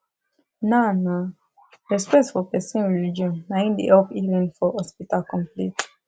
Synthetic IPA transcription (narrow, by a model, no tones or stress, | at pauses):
nana | ɹɛspɛktfɔpɛsɛ̃nɹɛlid͡ʒiɔ̃nːaĩndiɛlpivɛ̃nfɔhɔspitalkɔ̃mplḭt